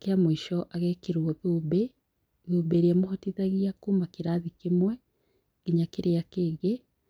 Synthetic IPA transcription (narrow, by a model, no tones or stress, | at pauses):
keamoiʃɔʔaɣɛkeɾwɔβubɛ | βubeɾiamoɦotiðaɣiakumakeɾaðikemwɛ | ɡiɲakeɾʔeakeːɣe